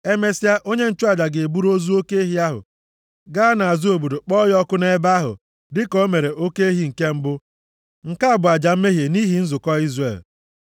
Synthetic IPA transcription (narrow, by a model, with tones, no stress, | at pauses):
e˦me˦sja˦ʔo˦ɲe˦n̩˦t͡ʃʊ˦a˨d͡ʒa˨ɡe˨e˨bu˦ɾo˦zu˦o˦ke˦ɦi˦a˦ɦʊ̰˨ | ɡa˦na˨a˨zu˦o˨bu˨do˨k͡pɔ˦jɔ˦kʊ˦ne˦ba˦ɦʊ̰˨ | dɪ˦ko˦me˨ɾe˨o˦ke˦e˦ɦi˦ŋ̩˨ke˦m̩˦bʊ˦ | ŋ̩˨ka˦a˦˨bʊ˨a˨d͡ʒa˨m̩˦me˦ɦje˨ni˦ɦi˨n̩˦zʊ˨kɔ˦i˦zrḛ˨l